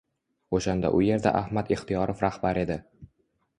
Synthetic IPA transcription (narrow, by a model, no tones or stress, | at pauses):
oʃand̪a̰ʔʊje̞ɾd̪a̰ʔahmat̪eχt̪ʰijɒɾʔofɾahbaɾe̞d̪ɪ